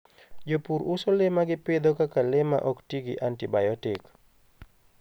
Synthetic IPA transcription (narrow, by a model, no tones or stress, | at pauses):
d͡ʒopuɾusolemaɡɪpɪd̪ɔkakalɪma̰ʔɔktiɡḭʔantibajɔtɪk